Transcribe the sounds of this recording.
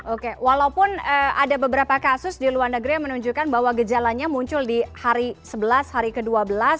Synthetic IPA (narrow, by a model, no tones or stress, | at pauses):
ʔokewalaupʊnəadabəbəɾapakasʊsdiluarnəɡɾijaŋmənuɲd͡ʒukanbaɦwaɡəd͡ʒalaɲamuɲt͡ʃʊldihaɾisəbəlashaɾikəduabəlas